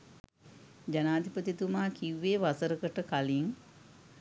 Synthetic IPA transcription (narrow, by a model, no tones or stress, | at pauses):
d͡ʒanaːd̪ʱipət̪it̪umaːkiwːeːʋasəɾəkəʈəkaliŋ